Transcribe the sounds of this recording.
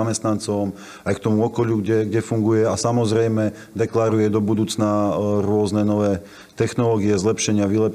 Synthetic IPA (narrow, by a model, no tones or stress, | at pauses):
amɛst̪nant͡sɔm | ajk̚t̪ɔmuɔkɔʎuɡɟɛɡɟɛfuŋɡujɛasamɔzɾɛjmɛ | d̪ɛklaɾujɛd̪ɔbud̪uːt͡snaɾʊɔznɛnɔʋɛː | t̪ɛxnɔlɔɡiɛzlɛpʃɛɲɪaʋilɛp